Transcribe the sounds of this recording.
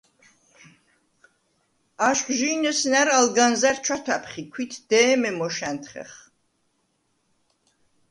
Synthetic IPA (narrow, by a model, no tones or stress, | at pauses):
aʃχʒiːnɔsnæɾalɡanzaɾt͡ʃʰat̪ʰapʰχikʰwit̪ʰd̪̥ɛːmɛmɔʃænt̪ʰχɛ̰χ